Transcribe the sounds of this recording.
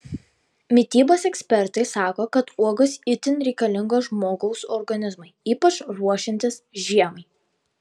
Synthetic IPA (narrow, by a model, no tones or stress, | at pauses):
mʲɪt̪ʲiːboːsɛksʲpʲɛɾt̪ɐɪsɑːkoːkɐt̪uɔɡɐsɪt̪ʲɪnɾʲɛɪkɐlʲɪŋɡoʒmoːɡɐʊsɔɾɡɐnʲɪzmɐɪiːpɐt͡ʃɾuɔʃʲɪnʲt̪ʲɪsʒʲiɛmɐɪ